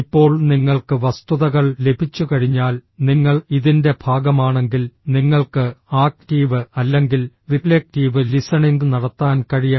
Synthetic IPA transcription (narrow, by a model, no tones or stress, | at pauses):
ipːo̞ːɭniŋːɐɭkɨʋɐst̪uðɐɣɐɭle̞bʱit͡ɕːukɐɻiɲːaːlniŋːɐɭiðinde̞bʱaːɡɐmaːɳe̞ŋɡilniŋːɐɭkɨaːk̚ʈiːʋɨɐlːe̞ŋɡil | riflek̚ʈiːʋɨlisɐɳind̪ɨnɐɽɐt̪ːaːnkɐɻijɐ